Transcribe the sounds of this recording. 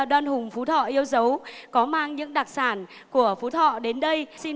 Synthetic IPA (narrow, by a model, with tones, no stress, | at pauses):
ɗwaː˧nhʊ˨˩ŋ͡mfu˨˦t̪ʰɔ̰˧˨ʔi˧əwzə˨˦wkɔ˨˦maː˧ŋɲɨ̰˧˥ŋɗaː˨˩k̚saː˧˩n | ku˧˩əfu˨˦t̪ʰɔ̰˧˨ɗe˨˦nɗə˧jsi˧